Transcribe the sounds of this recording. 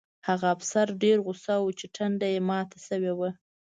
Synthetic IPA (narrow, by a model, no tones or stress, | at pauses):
haɣaːfsaɾɖeɾɣʊsɑwut͡ʃeʈʰanɖajemɑt̪ʰḁsəwewə